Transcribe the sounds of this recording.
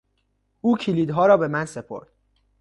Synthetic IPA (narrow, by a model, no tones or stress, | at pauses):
uːcʰiliːd̪ɦɒːɾɒːbe̞mænse̞pʰo̞̰ɾd̪̥